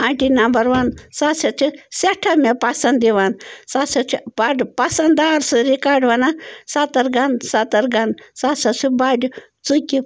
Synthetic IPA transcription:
ɐɳʈinɐmbɐɾʋɐnsasɐt͡ʃʰiseʈʰɐmepɐsɐnd̪iʋansasɐt͡ʃʰibaɖpɐsɐnd̪aːɾsɨɾikaːɖʋɐnasat̪ɐɾɡɐnsat̪ɐɾɡɐnsasɐsʰibaɖu | t͡sukʲi

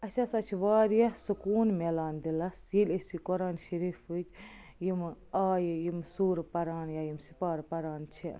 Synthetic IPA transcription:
ɐʃɐsɐt͡ʃʰʋaːɾjɐsukuːnmelaːnd̪ilɐsjilʲesikoɾaːnʃɐɾiːfɨt͡ʃ | jimaːjjimsuːɾpɐɾaːnjaːjimsi̥paːɾpɐɾaːnt͡ʃʰi

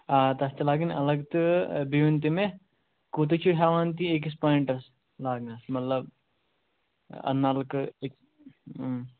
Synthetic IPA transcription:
aːt̪ɐst̪elaːɡinɐlɐɡt̪ɨbiʋint̪ime | kuːt̪̬et͡ʃʰiɦaːʋaːnt̪iek̬is̬pãːjɳʈɐs | laːɡnasmɐt̪lɐb | ɐ̰nːaːlkekː

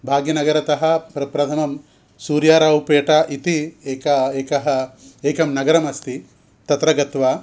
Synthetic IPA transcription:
bʱaːɡjɐnɐɡɐɾɐt̪ɐɦɐ̆pɾɐpɾɐt̪ʰɐmɐm | suːɾjaːɾaːwpeːʈaʔit̪ieːkɐeːkɐɦɐeːkɐmnɐɡɐɾɐmɐst̪ʰi | t̪ɐt̪ɾɐɡɐt̪ʋaː

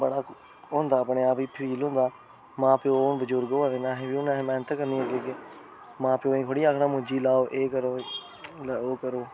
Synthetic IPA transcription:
bəɽaː | ɦõːnd̪aːəpɳeːaːpiːpʰɾiːlɦõːnd̪aː | mãːpeoːnbəd͡ʒʊɾɡoaːʋeːnãːɦebiːʊnãːɦːmɛ̃ːnət̪ːkəɾniːoɡeːke | mãːpɪoːĩːkʰoɽiːaːkʰnãːmʊ̃d͡ʒiːlaːoːʔeːkəɾoː | loːkəɾoː

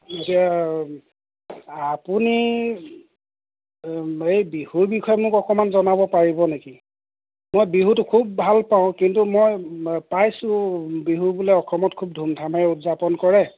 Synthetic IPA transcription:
etija | apuni | ejbihuɹbikʰɔjɛmʊkɔkɔmanzɔnabɔpaɹibɔneki | mojbiɦutʊkʰub̚ːʱalpaʊ̃kintumojpajsʊ̃biɦuɹbulɛɔkʰɹɔmɔtkʰub̚dʱumdʰʱamɛutzapɔnkɔɹɛ

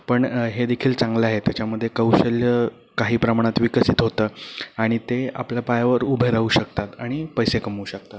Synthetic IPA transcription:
pəɳɦed̪ekʰiːlt͡saŋɡleaɦet̪jat͡ɕaməd̪ʱːjekəwɕəljə | kaɦiːpɾəmaɽ̃at̪ʋikəsit̪ɦot̪əːaɽ̃it̪ea̰pljapajaʋəɾubʱeɾauːɕəkt̪at̪aɽ̃ipəjsekəmuːɕək̚t̪at̪

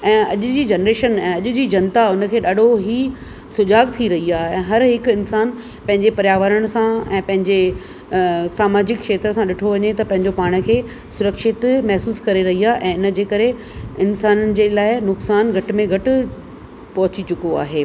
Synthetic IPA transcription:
ɛ̃ːɐʄʊ̆d͡ʑiːd͡ʑɐnɾeːʃənɛ̃ːɐʄʊ̆d͡ʑiːd͡ʑɐnt̪aʊnə̆kʰeːɗaːɗoɦiː | sʊd͡ʑaːɡt̪ʰiɾɐɦiaːɛ̃ːɦɐɾɦɪkɪnsaːn | pɐ̃ɦɪ̃ɲd͡ʑepɐɾjaːʋəɾəɽ̃sãɛ̃ːpɐ̃ɦɪ̃ɲd͡ʑe | saːmaːd͡ʑɪkkʃeːt̪ɾəsãɗɪʈʰoʋɐɲet̪ɐpɐ̃ɦɪ̃ɲd͡ʑopaːɽ̃̆kʰeː | sʊɾəkʃɪt̪mɛɦsuːskɐɾeɾɐɦiaːʔɛ̃ːɪnə̆d͡ʑeːkɐɾe | ɪnsaːnənɪ̆d͡ʑeːlaːɪnʊksaːnɡʱɐʈ̆mẽɡʱɐʈʊ̆ | pɐɦʊt͡ɕit͡ɕʊkoa̰ːɦeː

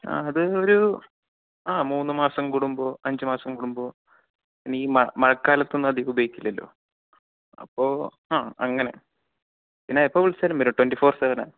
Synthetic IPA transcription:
a̰ːɐðɨo̞ɾu | aːmuːnːɨmaːsɐmkuɽumbo̞ːɐɲd͡ʑɨmaːsɐmkuɽumbo̞ː | inːeiːmɐmɐɻɐkːaːlɐt̪ːonːɐðiubɐjikʲːilːɐlːo̞̰ː | ɐ̰pːo̞ːhaːɐŋːɐnḛ | pinːaːipːoːʋiɭsɐlɐmiɾuʈwenɖifo̞ːrseʋɐna̰ːɳ

